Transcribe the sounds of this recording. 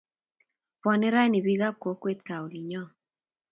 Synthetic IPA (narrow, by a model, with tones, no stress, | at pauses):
pɔ˨nɪ˦ɾa˦ni˨bi˦ɡa˦ko˨˦kwe˦t̪̚ka˨o˨li˨ɲɔ˦